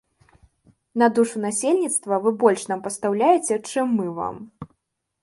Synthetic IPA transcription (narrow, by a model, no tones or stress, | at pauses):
nɐd̪uʂunasʲelʲnʲit̪st̪vɐvɨbɔlʲʂnampɐst̪awlʲajɛt͡sʲɛt͡ʂɨmːɨva̰m